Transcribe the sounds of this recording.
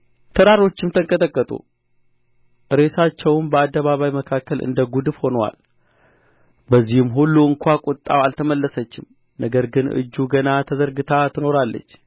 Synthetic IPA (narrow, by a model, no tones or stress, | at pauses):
t̪ʰəɾaɾo̞t͡ʃːɪmt̪ʰəŋkʼət̪ʼəkʼːət̪ʼṵ | ɨɾe̞sat͡ʃːɛwmbəad̪ːəβaβajməkʰakːəlʔɨ̰nd̪əɡud̪ɨfho̞nəwa̰l | bəzːihɨmɦulːuɨŋkʰʷakʼut̪ʼːa̰walt̪ʰəməlːəsət͡ʃːɪm | nəɡəɾɡɨnʔɨ̰d͡ʒːuɡənat̪ʰəzəɾɡɨt̪ʰat̪ʰɨno̞ɾalːə̰t͡ʃː